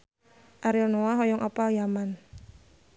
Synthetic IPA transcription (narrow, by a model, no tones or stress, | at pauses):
ʔaɾjɔnowaɦɔjɔŋʔapajaman